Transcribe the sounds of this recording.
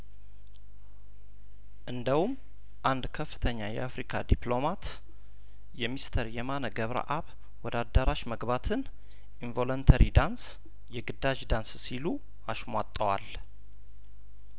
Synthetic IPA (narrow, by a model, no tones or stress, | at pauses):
ʔɨnd̪əhum | ʔand̪kʰəfːɨ̥t̪ʰəɲːajɛ̰afɾikʰad̪iplo̞mat̪ | jɛmist̪ʰəɾjɛmanəɡəβɾə̰ʔaβ | wɔd̪ad̪ːəɾaʃməɡbat̪ʰɨn | ʔinvo̞lont̪ʰəɾʔid̪ans | jɛɡɨd̪aʒd̪anssilu | aʃmwat̪ʼːəwa̰l